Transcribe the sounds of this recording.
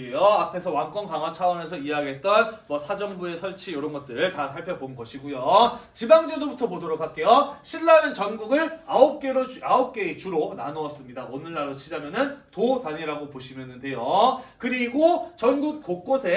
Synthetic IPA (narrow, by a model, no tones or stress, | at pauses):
ejoapʰe̞sʰʌwank͈ʌnkaŋwat͡ɕʰawʌne̞sʰʌiaaɡiɦet̚t͈ʌnmʌsʰad͡ʑʌmbue̞sʰʌɭt͡ɕʰijoɾʌnɡʌt̚t͈ɯɾɯɭtasʰaɭpʰjʌbonɡʌɕʰiɡujot͡ɕibaŋd͡ʑedobutʰʌmodʌɾokʰak͈e̞joɕʰiɭːanɯnt͡ɕʌnɡuɡɯɾaop̚k͈eɾoaop̚k͈e̞ːt͡ɕuɾonanoʌs͈ɯmɲidaʔonɯɭːaɾot͡ɕʰid͡ʑamjʌnɯntotaɲiɾaɡopoɕʰimjʌnɯnde̞jokɯɾiɡot͡ɕʌnɡuk̚k͈ok̚k͈osʰe̞